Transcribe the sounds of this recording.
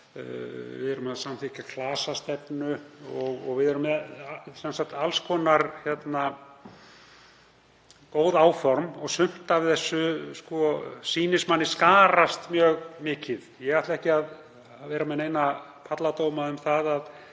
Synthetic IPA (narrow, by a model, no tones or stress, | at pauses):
vɪ̰ðɛɾʏmaðsamθɪcakʰlaːsast̪ɛpnʏɔɣɔɣvɪðɛɾʏmɛsɛnsak̚t̪alskʰɔːnaɾçjɛt̪na | koːwðaːwfɔɾmɔɣsʏm̥t̪avɪðθɛsːʏskɔsiːnɪsmanːɪskaːɾast̪mjœːɣmɪːcɪðjɛɣaht̪laɛhcɪað | vɛːɾamɛðnejnapʰat̪lat̪oːwmaʏmθaðað